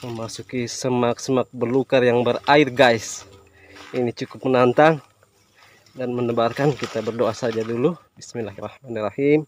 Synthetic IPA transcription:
məmasukisəmak̚səmak̚bərlukarjaŋbəraɪrɡajs | init͡ʃukʊpmənant̪aŋ | danmənəbarkankit̪abərdoasad͡ʒadulubismɪnlahrahmanirahim

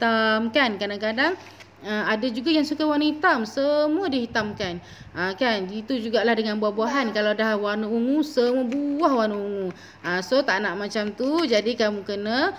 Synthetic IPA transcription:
t̪amkankadaŋkadaŋ | əmadad͡ʒuɡajaŋsukawanhit̪amsəmuədihit̪amkan | ʔəkanit̪ud͡ʒuɡaʔlahdəŋanbuahbuaɦankalawdahwanuuŋũsəmuəbuwahwanuuŋu | asot̪aʔnaʔmat͡ʃamt̪ud͡ʒadikamukənə

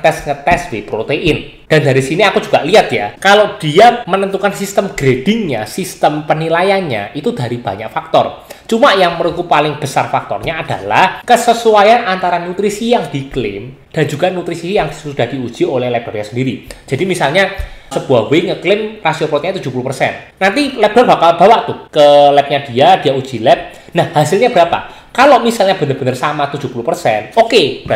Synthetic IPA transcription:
t̪ɛsŋət̪ɛswepɾot̪eʔɪn | d̥andaɾisiniakud͡ʒuɡ̥aʔliat̪ja̰kalod̥iamənənt̪ukansist̪əmɡ̥ɾed̥ɪŋɲasist̪əmpənilajanɲa̰ʔit̪ud̥a̤ɾib̥a̤ɲaʔfak̚t̪ɔ̰r | t͡ʃumaʔjaŋməɾuɡupalɪŋb̥əsarfak̚t̪ɔ̰rɲaːd̥a̰lahkəsəsuajanʔant̪aɾanut̪ɾisijaŋd̥iklɪ̰m | d̥a̤nd͡ʒuɡ̥anut̪ɾisijaŋd̥i̥sud̥a̤hd̥i̤u̥ʒ̥iolɛhlɛp̚d̥ɔrɲasəndiɾid͡ʒ̥adimisalɲasəb̥uahweŋəklɪmrasiopɾot̪iɲat̪udd͡ʒ̥ṳpuluhpərsɛ̰nnant̪ilɛp̚d̥ɔrba̤kalb̥a̤waʔt̪uhkəlɛp̚ɲad̥i̤ad̥iaud̥d͡ʒ̥i̤lɛp̚ | nahhasɪlɲab̥əɾapa̰ | kaloʔmisalɲab̥ə̤nərb̥ənərsamat̪ud̥d͡ʒ̥ṳpulupərsɛ̰nokeb

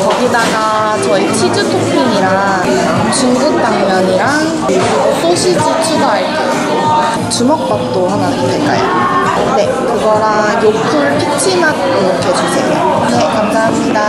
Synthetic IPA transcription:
kʌɡinaɡa | t͡ɕʌit͡ɕʰid͡ʑutʰok̚pʰiɲiɾa | ŋ | t͡ɕuŋɡuk̚t͈aŋɲʌɲiɾaŋ | kɯɡotʰoɕʰid͡ʑit͡ɕʰiɡaaɭkʰeso | t͡ɕumʌk̚p͈ʌp̚t͈ohaŋaɡoɦek͈a̰jo̰ | ne̞ | kɯɡʌɾa | jokʰɯɭpʰik̚t͡ɕʰimat̚ | ɯmokʰed͡ʑusʰe̞̰jo̰ | nekamsaɦamɲida

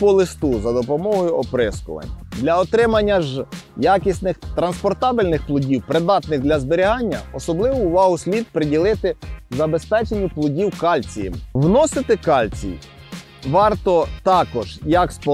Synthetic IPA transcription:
pɔlˠɪst̪uzɐd̪ɔpɔmɔɦɔjʊɔpɾɪskʊ̰ʋɐ̰nʲd̪lʲɐɔt̪ɾɪmɐnʲːɐʒjakʲisʲnɪxt̪ɾɐnspɔrt̪ɑbɪlʲnɪxplˠʊdʲiwpɾɪd̪ɑt̪nɪxd̪lʲɐzbeɾʲiɦɑnʲːɐ̰ɔsɔblˠɪʋʊːʋɑɦʊsʲlʲid̪̚pɾɪdʲilˠɪt̪ɪzɐbe̞spɛt͡ʃenʲːʊplˠʊdʲiwkɑlʲt͡sʲijɪmwnɔsɪt̪ɪkɑlʲt͡sʲḭj | ʋɑrt̪ɔt̪ɑkɔʒ̥jɐkspɔ

